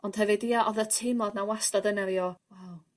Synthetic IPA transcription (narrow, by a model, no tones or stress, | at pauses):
ɔnd̥ɦɛvɨdiaʔɔðətʰejmˠɔdnawastadənaɾiɔwaw